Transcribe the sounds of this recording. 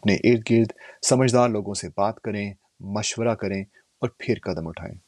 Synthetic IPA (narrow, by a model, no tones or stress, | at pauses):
pneʔɪːɾt̪̚ɡɪɾd̪sɐməd͡ʒʱd̪aːɾloːɡõsebaːt̪kɐɾẽ | mɐʃwəɾakɐɾẽ | ɔːɾpʰɪɾkɐd̪əmʊʈʰa̰ːḛ̃ː